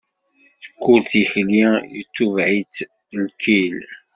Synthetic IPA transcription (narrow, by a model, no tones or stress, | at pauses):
θə̥kʷːulθiçlijət͡sːuvʕit͡s | lkʰil